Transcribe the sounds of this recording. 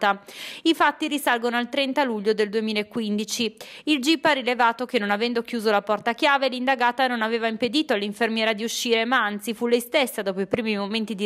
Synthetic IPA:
t̪aifat̪ːiɾisalɡonoalt̪ɾɛnt̪aluʎːod̪eld̪uemiːlaekːwind̪it͡ʃiild͡ʒipːaɾilevaːt̪okenːonavɛnd̪okjuːzolapɔrt̪akjaːvelind̪aɡaːt̪anonaveːvaimped̪iːt̪oalːiɱfermjɛːɾad̪iuʃːiːɾemaant̪sifulɛjst̪esːad̪ɔːpoipɾiːmimoment̪id̪i

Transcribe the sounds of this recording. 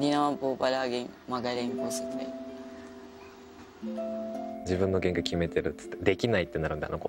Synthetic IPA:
ɾʲinaβãmpobaɾaɡẽŋ | maɡaɾẽŋkoset̪a̰i | d͡ʑibɯ̟̃nːo̞ɡẽ̞ŋkakʲime̞t̪eɾɯ̟t̪ːɨ̥t̪ːed̪e̞kʲinait̪ːe̞naɾɯ̟nd̪a̰noko

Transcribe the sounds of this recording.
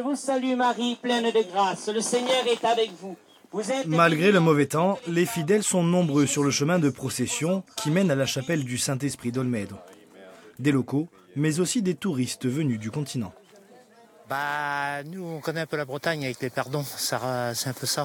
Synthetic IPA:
ʒəvusalymaʁiplɛ̃nd̪əɡʁasləseɲœʁɛt̪avɛkvu | vuzɛmalɡʁeləmɔvɛt̪ɑ̃lefid̪ɛlsɔ̃nɔ̃bʁøsyʁləʃəmɛ̃d̪əpχɔsɛsjɔ̃kʲimɛnalaʃapɛld̪ysɛ̃t̪̬ɛspχid̪ɔlmɛd̪ʁ | d̪elɔko | mɛzosid̪et̪uʁist̪vənyd̪ykɔ̃t̪ʰinɑ̰̃ | banuɔ̃kɔnɛɛ̃pølabʁət̪aɲavɛklepaʁd̪ɔ̃saʁsɛɛ̃pøsa

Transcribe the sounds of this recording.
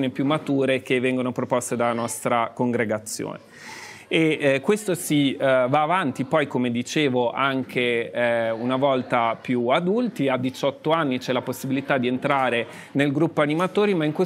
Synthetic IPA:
oːnipjumːat̪uːɾek̟evːɛŋɡonopɾopɔst̪ed̪alanɔst̪ɾakoŋɡɾeɡat̪sːjo̰ːne | ekːwest̪osivaːvant̪ipɔjkomed̪it͡ʃeːvoʔaŋkʰe | unavɔlt̪apjuad̪ult̪iad̪ːit͡ʃɔt̪ːoanːit͡ʃɛlaposːibilit̪ad̪ient̪ɾaːɾe | nelɡɾupːoanimat̪oːɾimaiŋkwe

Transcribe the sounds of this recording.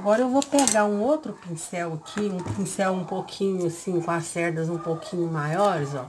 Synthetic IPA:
aɡɔɾɐewvopeɡaũowt̪ɾʊpĩsɛwɐkʰiũpĩsɛwũpokʰĩɲʊasĩkõɐsɛɾd̪ɐzũpokʰĩɲʊmajɔɾɪzɔ̰

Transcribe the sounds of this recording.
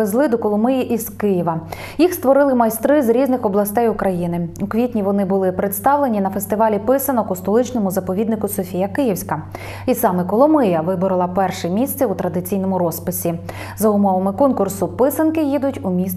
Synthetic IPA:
ezlˠɪd̪ɔkɔlˠɔmɪjiʔizkɪjiʋɐ | jixst̪ʋɔɾɪlˠɪmɐjst̪ɾɪzɾʲiznɪxɔblˠɐst̪ɛjʊkɾɐjinɪʊkʋʲitʲnʲiʋɔnɪbʊlˠɪpɾet̪st̪ɑwlˠenʲinɐfest̪ɪʋɑlʲipɪsɐnɔkʊst̪ɔlˠɪt͡ʃnɔmʊzɐpɔʋʲid̪nɪkʊsɔfʲijɐkɪjiwsʲkɐ | isɑmɛkɔlˠɔmɪjɐʋɪbɔɾɪlˠɐpɛrʃɛmʲisʲt̪sʲɛut̪ɾɐd̪ɪt͡sʲijn̪ɔmʊɾɔspɪsʲi | zɐʊmɔʋɐmɪkɔnkʊrsʊpɪsɐnkɪjid̪ʊtʲumʲis

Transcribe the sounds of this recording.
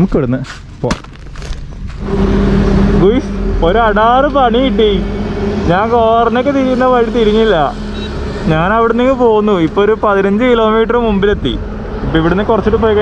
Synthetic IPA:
mukːɐɽunːɨ | po̰ː | ɡujsoɾuɐɽaːrɨpɐɳijiʈ̬ːi | ɲaːnkoːrɐnːokːet̪iɾikːunːɐʋɐɻt̪iɾuɲːilːɐ | ɲaːnɐʋiɽeniŋːɐpo̞ːɣunːuipːoːoɾupɐðinɐɲd͡ʑɨkilo̞ːmiːʈ̬ɐrɨmumbile̞t̪ːḭ | ipːoːiʋiɽenːekurɐt͡ɕːiʈːɨpoːjkɐ

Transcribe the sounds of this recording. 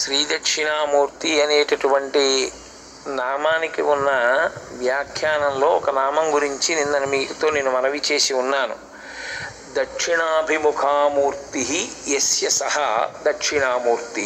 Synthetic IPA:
ʃɾiːd̪ɐkʂiɳaːmuːɾt̪iɐneːʈɐʈuʋɐɳʈi | naːmaːnikiunːɐʋjaːkʰjaːnɐmlo̞ːɔkɐnaːmɐmɡuɾiɲt͡ʃininːɐnɐmiːkt̪oːneːnːumɐnɐʋit͡ʃe̞ːsiunːaːnṵ | d̪ɐkʂiɳaːɐbʱimukʰaːmuːɾt̪iɦijesjɐsɐɦɐd̪ɐkʂiɳaːmuːɾt̪i

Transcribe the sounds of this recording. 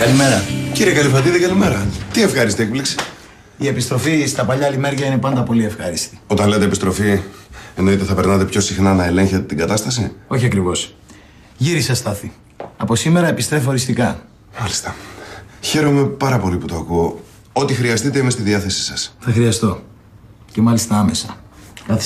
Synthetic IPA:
kɐlime̞ɾɐciɾijekɐlifɾɐt̪iðikɐlime̞ɾɐt̪ie̞fxɐɾist̪iek̚pliksi̥ | ie̞pist̪ɾofist̪ɐpɐʎɐlime̞ɾʝɐine̞pɐnd̪ɐpo̞lie̞fxɐɾist̪i̥o̞t̪ɐnleɐt̪eːpist̪ɾo̞fieno̞it̪eθɐpeɾnɐt̪e̞pço̞sixnɐnɐele̞ɲçet̪et̪iŋɡɐt̪ɐst̪ɐsḭo̞çiɐkɾivo̞s | ʝiɾisɐst̪ɐθi | ɐpo̞sime̞ɾɐepist̪ɾe̞foɾist̪ikɐ | mɐli̥st̪ɐ̥ | çe̞ɾo̞me̞pɐɾɐpo̞liput̪oɐkuo | o̞t̪ixɾiɐst̪it̪eimest̪iðiɐθe̞si̥sɐsθɐxɾiɐst̪o̞ | ce̞mɐlist̪ɐɐme̞sɐkɐθi

